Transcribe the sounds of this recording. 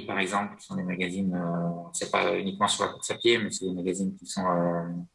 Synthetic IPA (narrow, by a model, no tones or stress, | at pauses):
paʁɛɡzɑ̃plkʲi̥sɔ̃d̪emaɡazinøsɛpa̰ynikmɑ̃syʁla̰kuʁsapjemɛsɛd̪emaɡazinkʲisɔ̃ø